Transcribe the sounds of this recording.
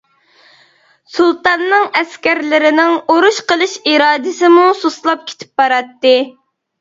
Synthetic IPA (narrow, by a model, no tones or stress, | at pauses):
sulˠt̪ɑnːɨŋɛskʲæɾlɪɾɪnɪŋoɾuʃqəlˠɨʃiɾɑːd̪ɨsɪmusoslˠɑp̚kʲʰe̥t̪ʰɪ̥p̚bɑɾɑt̪ːɨ